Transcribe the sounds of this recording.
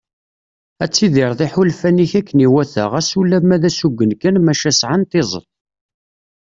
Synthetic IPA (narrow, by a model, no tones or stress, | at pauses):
æt͡sːiðɪɾˤðˤɪħulfæniçækːəniwæθə̰ʁæsulːæmæðæsuɡːənkænmæʃæsʕant̪ɪzˤə̰t̪̚ˤ